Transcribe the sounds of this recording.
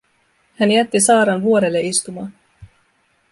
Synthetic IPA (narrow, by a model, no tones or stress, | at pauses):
hænjæt̪ːisɑːɾɑnʋuo̞ɾelːeist̪umɑːn